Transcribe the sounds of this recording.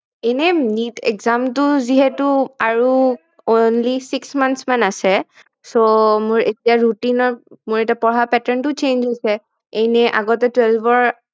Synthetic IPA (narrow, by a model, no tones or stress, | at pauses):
enɛnitɛ̰kzamtʊziɦɛtʊaɹu | onlisiksmansmanasɛ | somʊɹetijaɹutinɔɹmʊɹetapɔɹapɛtaɹntʊt͡ʃend͡ʒɦojsɛ | ejnɛʔa̰ɡɔtɛtwɛlbɔɹ